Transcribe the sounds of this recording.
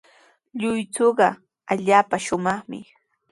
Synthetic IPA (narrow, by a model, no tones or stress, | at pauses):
ʎʊjt͡soːɢɑ | aʎaːpaʃʊmɑχmɪ̰